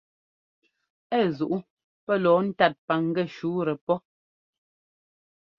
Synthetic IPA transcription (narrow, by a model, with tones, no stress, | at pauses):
ɛ˦˨zu˨ʔu˦ | pɛ˦lɔː˨˦n̩˦ta˦˨t̚pa˨ŋ̩˦ɡɛ˦˨ʃuː˨˦ɾɛ˨pɔ˦